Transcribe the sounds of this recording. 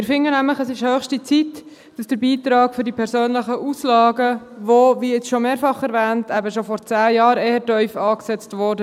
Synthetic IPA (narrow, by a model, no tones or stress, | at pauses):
mɪɾfɪŋənæmləχəsɪʃhøːχʃtit͡sit | d̥ɑsd̥əɾbiːtɾɑːkfʏɾdipʰɛɾsøːnləχəʔuslɑːɡə | ʋoviɪt͡sʃomeːɾfɑχɛɾvæːntʰæbəʃofɔɾt͡sæːjɑːɾeːhətœʏfɑːksɛt͡stʋɔɾdə